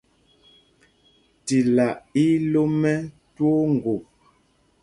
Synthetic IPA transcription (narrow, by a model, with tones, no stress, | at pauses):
ti˨la˨ʔi˦lo˦mɛ˦ | two˦ŋ̩˨ɡo˨p̚